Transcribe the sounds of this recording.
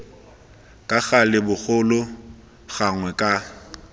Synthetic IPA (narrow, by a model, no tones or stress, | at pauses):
kʼaɣalɪbʊk͡xʊlʊ | ɣaŋwɛkʼa